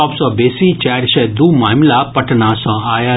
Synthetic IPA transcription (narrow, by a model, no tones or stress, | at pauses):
absɔbesit͡ʃaːɾʃɛd̪umaːmlapəʈʰnãsɔ̃aːja